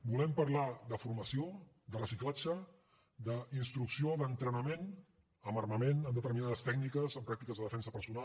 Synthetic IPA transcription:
bulɛmpəɾlaðəfuɾməsio | d̪ərəsiklad͡ʒə | d̪əinst̪ɾuksioðənt̪ɾənəmen | əmərməmenəmd̪ət̪əɾminaðəst̪ɛknikəzəmpɾak̚t̪ikəzðəðəfɛnsəpəɾsuna

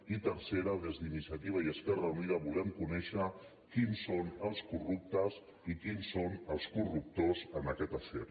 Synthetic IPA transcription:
it̪əɾseɾəðezðinisijət̪iβ̞aiəskɛrəuniðəβulɛmkunɛʃə | kinsonəlˠskurup̚t̪əz | ikinsonəlˠskurup̚t̪ozənəkɛt̪əsḛɾ

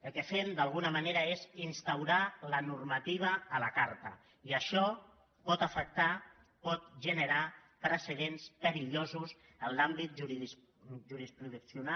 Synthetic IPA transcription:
əlˠkəfend̪alˠɣ̞unəmaneɾəezinst̪awɾalənurmat̪iβ̞əːlakaɾt̪ə̰ | iəʃɔ | pɔt̪əfək̚t̪a | pɔt̪̚ʒənəɾat̪ɾəsəðenspəɾiʎozus | ənlambit̪̚ʒuɾi | ʒuɾispɾuðuksiuna

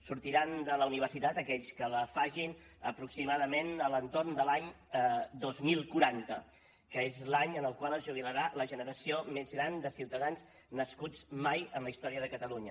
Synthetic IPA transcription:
suɾt̪iɾand̪ələuniβərsit̪at̪əkɛʎskələfaʒin | əpɾuksimaðəmenələnt̪ornd̪əlaɲ | d̪ozmilˠkuɾant̪ə̰ | kəezlaɲənəlˠkwalˠəzʒuβ̞iləɾaləʒənəɾəsiomezɣɾand̪əsiwt̪əðanz | nəskud͡zmajənləist̪ɔɾiəðəkət̪əluɲə

